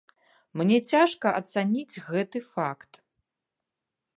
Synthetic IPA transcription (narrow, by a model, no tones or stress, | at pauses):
mnʲɛt͡sʲaʂkɐʔɐt̪sanʲid͡zʲɣɛt̪ɨfakt̪